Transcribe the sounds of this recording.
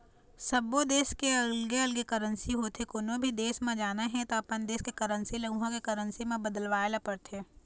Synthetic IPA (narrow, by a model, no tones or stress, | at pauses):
sɐbod̪eːskeəlɡeɐlɡekəɾənsiɦoːt̪ʰekonõbʱid̪eːsmẽd͡ʒaːnaɦɛ̃t̪oɐpənd̪eːskekəɾə̃nsilɐɡuɦãkekɐɾə̃nsimẽbəd̪əlʋaːelapɐɽt̪ʰeː